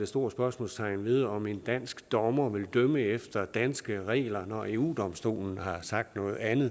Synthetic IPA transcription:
de̝sd̥o̝ɐ̰sb̥ɶɐsmɔ̰̽ːlst͡sʰɑ̈ɪnʋe̝ð̞ˠɒ̽me̝nd̥æn̰sɡ̥d̥ɒmɐʋe̝ld̥øməefd̥ɐd̥ænsɡ̥əʁɛ̰ːlɐnɒe̝ːuːd̥ɒ̽msd̥o̝̰ːln̩hɑ̈sɑ̈ɡ̥̚d̥nɔ̽ːð̩ˠænð̩ˠ

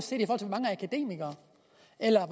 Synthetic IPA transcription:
se̝̰ːd̥ifɔːhɒl̰t͡sʰemɑ̈ŋəækʰæd̥e̝̰ːmiɡ̥ɐ | elɐʋ

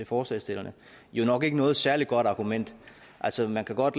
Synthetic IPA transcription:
e̝fɒːslɛ̰ːsd̥e̝lɐnə | jo̝nɒ̽ɡ̥e̝ɡ̥ənɔ̽ːð̩ˠsæɐliɡ̥ɒ̽d̥ɑ̈ːɡ̥umen̰d̥ | ʔælsɒmænkʰæɡ̥ɒ̽d̥

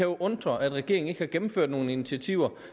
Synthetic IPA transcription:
æjoʔɔ̽nd̥ʁɐʔæd̥ʁɛɡ̥e̝ɐeŋne̝ɡ̥əhɑ̈ɡ̥emm̩føɐ̰d̥no̝ːn̩init͡sʰiæt͡sʰiʊ̰ɐ

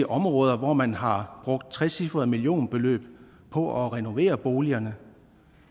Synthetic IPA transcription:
əʔɒ̽mʁɔ̽ːðˠɐʋɒmænɦɑ̈b̥ʁɔ̽ɡ̥̚d̥̚t͡sʰʁɛsifʁɐðˠmilijo̝̰ːnb̥e̝lø̰ːb̥ | pʰɒ̽ʔɒʁɛno̝ʋe̝̰ːɐb̥o̝ːliɐnə

